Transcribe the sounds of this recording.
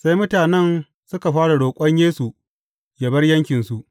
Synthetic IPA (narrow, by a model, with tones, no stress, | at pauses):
sa˦jmʊ˦taː˨nɛ˦n | sʊ˦ka˨ɸaː˦ɽa˨ɽoː˨kʷʼɐ˦ɲjeː˦su˨ | jɐ˨bɐ˦rjɐ˦ŋkʲɪ˨nsu˨ʔ